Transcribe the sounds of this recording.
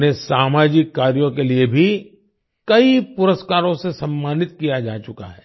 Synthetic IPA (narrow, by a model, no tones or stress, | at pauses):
nesaːmaːd͡ʒɪkːaːɾjõkeliebʱi | kɐipʊɾəskaːɾõsesɐmːaːnɪt̪kijad͡ʒaːt͡ʃʊka̰ɦɛː